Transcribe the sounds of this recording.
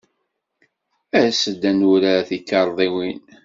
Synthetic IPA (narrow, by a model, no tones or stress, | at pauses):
æsəd̪ːænuɾaθikːɑɾˤðˤiwin